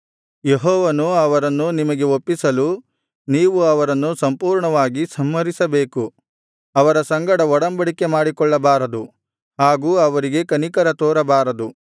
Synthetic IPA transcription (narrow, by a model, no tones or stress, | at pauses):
jeɦɔːʋɐnuɐʋɐɾɐnːunimɐɡe̞opːisɐlu | niːʋuɐʋɐɾɐnːusɐmpuːɾɳɐʋaːɡisɐmːɐɾisɐbeːku | ɐʋɐɾɐsɐŋɡɐɽɐɔɽɐmbɐɽike̞maːɽikɔɭːɐbaːɾɐd̪u | ɦaːɡuːɐʋɐɾiɡe̞kɐnikɐɾɐt̪oːɾɐbaːɾɐd̪u